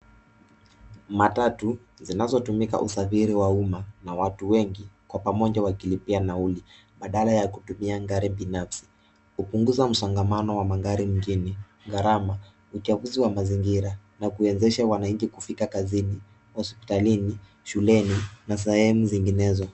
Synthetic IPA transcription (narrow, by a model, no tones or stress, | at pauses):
matatu | zinazɔtumika̰ʔṵsafiɾiwaumanawatuwɛŋɡikwapamɔɲʄawakilipianauli | ɓaɗalajakutumiaŋɡaɾiɓinafsi̥ | upuŋɡuzam̩sɔŋɡamanɔwamaŋɡaɾim̩ɡini | ɡaɾama | ut͡ʃaɓuziwamaziŋɡiɾa | nakuɛnzɛʃawanaɲ̩t͡ʃikufikakazini | hɔspi̥talini | ʃulɛninas̬ɛhɛmuziŋɡinɛzɔ